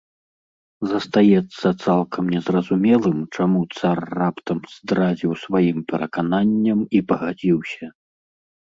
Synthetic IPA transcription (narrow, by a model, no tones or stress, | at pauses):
zɐst̪ajɛt̪sːɐt̪salˠkʰɐmnʲɛzrɐzumʲɛlˠɨmt͡ʂamut̪sarːapt̪ɐmz̥d̪ɾad͡zʲiwsvajimpʲɛɾʔɐkananʲːɐmipɐɣad͡zʲiwsʲɐ